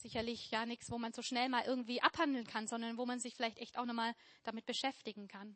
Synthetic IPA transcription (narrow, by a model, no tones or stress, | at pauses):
z̥ɪçɐlɪçjaːnɪçsvoːmanzoːʃnɛlmaːlʔɪɐɡŋ̩tv̥iːʔaphandl̩nkʰanzɔndɐnvoːmanzɪçfɪlaɪçtʔɛçtaʊxnɔχmaːl | d̥amɪt̚b̥əʃɛftɪɡŋ̩kʰan